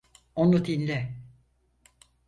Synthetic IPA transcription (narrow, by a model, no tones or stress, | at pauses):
onud̪inʲlʲɛ